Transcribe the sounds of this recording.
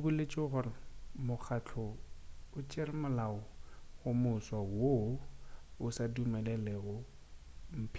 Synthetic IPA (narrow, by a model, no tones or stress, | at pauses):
bʊlet͡ʃʼɪɣʊrɪmʊk͡xʰat͡ɬʰɔʊt͡ʃʼɪrɪmʊlaʊɣʊmʊswawo | ʊsadumɛlɛlɛɣʊ | m̩pʰ